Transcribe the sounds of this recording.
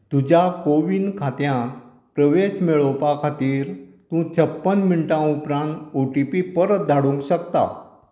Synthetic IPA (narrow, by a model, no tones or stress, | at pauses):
t̪ud͡ʑakoʋinkʰat̪jã | pɾəʋeɕmeɭɔpakʰat̪iːɾt̪ũt͡ɕʰəpːənminʈãupɾãnt̪oʈipipəɾət̪̚d̪ʱaɽũŋkɕəkt̪a̰